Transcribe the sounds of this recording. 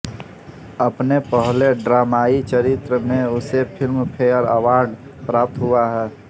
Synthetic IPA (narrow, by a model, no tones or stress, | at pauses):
əpnepəɦleɖɾaːmaːit͡ʃəɾɪt̪ɾəmẽʊsepʰɪlmpʰeəɾəwaːɾɖ | pɾaːp̚t̪ɦʊaɦɛː